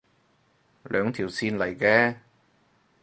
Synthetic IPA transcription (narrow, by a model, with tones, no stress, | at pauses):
lœː˨˧ŋt̪ʰiː˨˩wsiː˧nlɐ˨˩jkɛː˧